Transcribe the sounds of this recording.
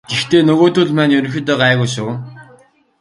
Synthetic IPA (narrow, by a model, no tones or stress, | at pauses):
ɡ̥ext̪ʰeːnɵɣoːt̪ʊɮmæːnjɵɾɵ̆ŋxʲɪ̆t̪œːʁaːɣujsuː